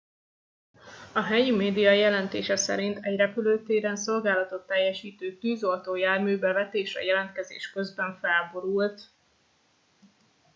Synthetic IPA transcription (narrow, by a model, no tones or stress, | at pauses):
ɒɦɛjimeːd̪ijɒjɛlɛnt̪eːʃɛsɛ̰ɾint̪ɛɟrɛpyløːt̪eːɾɛnso̞lɡaːlɒt̪o̞t̪ːɛjːɛʃiːt̪øːt̪yːzolt̪oːjaːrmyːbɛvɛt̪eːʃɒ̰jɛlɛnt̪̚kɛzḛːʃkø̞zbɛɱfɛlbo̞ɾult̪